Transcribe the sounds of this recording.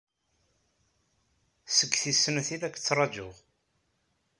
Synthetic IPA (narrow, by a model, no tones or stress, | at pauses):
səɡθisənθilækːt͡sːrˤɑd͡ʒʊʁ